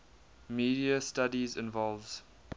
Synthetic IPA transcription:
miːdiəstadizɪ̃nvɔlvz̥

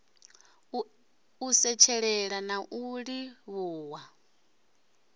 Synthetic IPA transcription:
usɛt͡ʃʰɛɺɛɺanaʔuɺiβuːwa

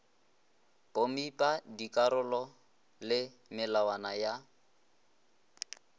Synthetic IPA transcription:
pʼomipʼadikʼaɾʊlɔ | lɪ | mɪlawanaja

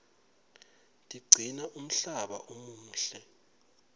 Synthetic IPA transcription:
tʼiɡ͡ǀʱinaʔum̩ɬaɓa̰ʔomuːɬɛ

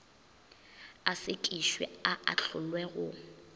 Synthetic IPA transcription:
asɪkʼiʃwɛ̰aʔa̰ɬʰʊlwɛɣʊ

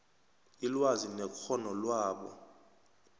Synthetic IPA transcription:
ilwazinɛkʰɔnɔlwaːɓɔ̰

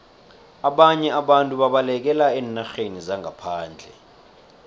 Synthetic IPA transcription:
aɓaɲɛaɓantʼuɓaɓalɛk̬ɛlaɛːnaxenizaŋʱapʰaːnd͡ɮʱɛ̰

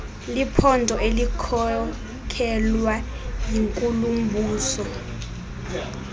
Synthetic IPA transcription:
lipʰɔndʱɔelikʰɔ | kʰɛlwa | jiŋkʼulum̩bʱuːsɔ

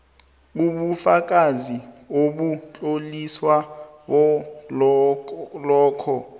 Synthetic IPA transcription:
uɓufak̬azioɓut͡ɬʼoliswa | ɓɔ | lɔːkʰɔ

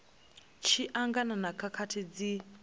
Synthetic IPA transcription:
t͡ʃʰiʔaŋɡananakʰakʰatʰid͡zi

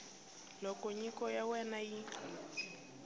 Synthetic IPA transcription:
lɔkɔɲikʼɔjawɛnai

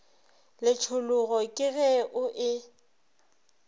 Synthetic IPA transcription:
lɪt͡ʃʰʊlʊɣɔkʼɪɣɛʔʊʔɪ

